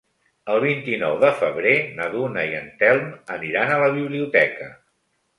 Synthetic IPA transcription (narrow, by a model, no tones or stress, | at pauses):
əlˠβ̞int̪inɔwðəfəβɾenəðunəiənt̪ɛlˠməniɾanələβiβliut̪ɛkə